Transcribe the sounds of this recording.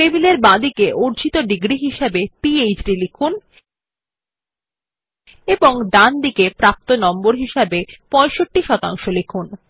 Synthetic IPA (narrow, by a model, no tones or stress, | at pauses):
ebileɾbãd̪ikeʔuɾd͡ʑit̪oɖiɡɾiɦiʃabepiejd͡ʑɖilikʰun | eboŋd̪and̪ikepɾap̚t̪onɔmboɾɦiʃabepɔ̃eʃoʈːiʃɔt̪a̰ŋʃolikʰun